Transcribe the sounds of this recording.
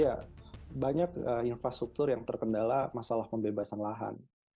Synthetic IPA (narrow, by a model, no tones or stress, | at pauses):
jabaɲakəinfɾast̪ɾuk̚t̪ʊrjaŋt̪ərkəndalamasalahpəmbebasanlaɦa̰n